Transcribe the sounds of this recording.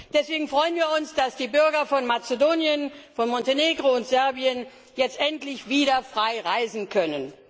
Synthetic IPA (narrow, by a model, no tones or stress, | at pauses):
d̥ɛsv̥eːɡŋ̩fʁ̥ɔʏənviːɐʊnsd̥asd̥iːbʏɐɡɐfɔnmat͡sedoːnjənfɔnmɔnteneːɡʁoʊntz̥ɛɐbiən | jɛt͡stʔɛntlɪçv̥iːɾɐfʁ̥aɪʁaɪzn̩kʰœnən